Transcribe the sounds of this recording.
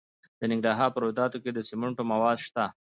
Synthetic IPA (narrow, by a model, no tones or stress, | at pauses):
d̪̥ənɪŋɡɾɑɦɑɾpəɾod̪ɑt̪oked̪əsɪmʊɳʈomawɑd̪ʃt̪a